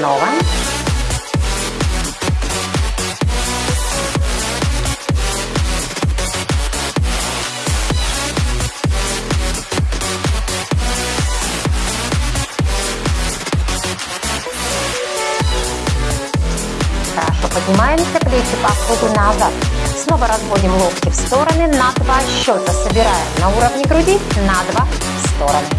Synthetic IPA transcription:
nɔvə | ɾa̰ʂopədʲnʲɪmajɪmsʲɐplʲet̪ʲʊpɐfxod̪ʊnazat̪sno̞vəɾɐzvo̞dʲɪmlˠofkʲɪfst̪o̞ɾənɨnɐd̪vaɕːo̞t̪əsəbʲɪɾajɪmnɐuɾəvnʲɪɡɾʊdʲinad̪va | fst̪o̞ɾənɨ

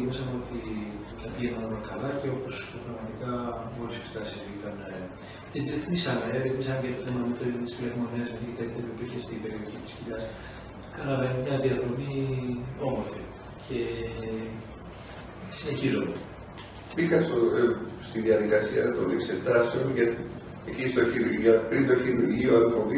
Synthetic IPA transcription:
misɐmeo̞t̪i | θɐpiʝenɐnolɐkɐlɐce̞o̞po̞spɾɐɣmɐt̪ikɐoɾise̥kst̪ɐsizikɐn | e | t̪izðieθmisɐmeeviθmisɐmcet̪oθemɐmet̪eɾit̪i̥sfileɣmo̞niɐzmenikit̪ekt̪epuipiɾçest̪ipe̞ɾio̞çit̪i̥sciʎɐs | kɐnɐvenmɲɐðiɐðɾo̞mi | o̞mo̞ɾfi | cʰe̞ | sine̞çizome | bikɐst̪ost̪iðiɐðikɐsiɐt̪olikseft̪ɐsomʝɐt̪i | ecist̪oçiðiʝɐpɾind̪oeçiinuɾʝioðipomd̪i

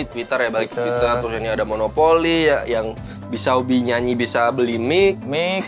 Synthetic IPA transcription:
it̪əwit̪ərjabalɪk̚t̪wit̪ərɾʊsiniadamonopolijajaŋ | bisaubihɲaɲibisabəlimɪk̚mi

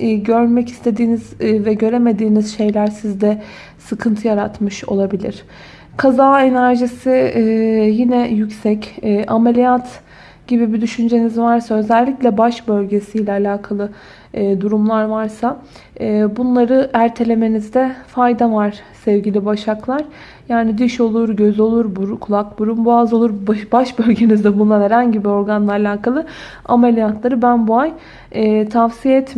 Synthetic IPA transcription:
ɟø̞ɾmɛci̥st̪ʰe̞d̪iːniz̥vɛɟø̞ɾe̞me̞d̪iːnizʃe̞jlʲæɾsizd̪ɛ | sɯkʰɯnt̪ʰɯjaɾat̪mɯʃo̞̰lˠabilʲḭɾ̥ | kʰazaːe̞næɾʒisi | jinɛjycsɛcːʔamelʲijat̪ | ɟ̥ibibid̪yʃynd͡ʒe̞nizvaɾsaø̞zælʲːiclʲɛbaʃbø̞lʲɟe̞sijlʲɛalʲaːkʰalˠɯː | d̪uɾumlˠaɾvaɾsaː | bunlˠaɾɯʔæɾt̪ʰe̞lʲe̞me̞nizd̪ɛfajd̪avaɾ̥ | sɛvɟilʲibaʃaklˠaɾ̥ | jaːnid̪iʃo̞lˠuɾɟøzo̞lˠuɾbuɾkʰulˠakbuɾumbuazo̞lˠuɾbaʃbø̞lʲɟe̞nizd̪ɛbunlˠaɾhɛɾanɟibio̞ɾɡanlˠaːlʲaːkʰalˠɯ | a̰melʲijat̪ʰlˠaɾɯbænbuaj | ɛːt̪ʰafsijeɛt̪m

